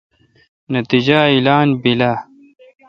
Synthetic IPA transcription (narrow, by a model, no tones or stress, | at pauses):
nɐt̪id͡ʑailaːnbila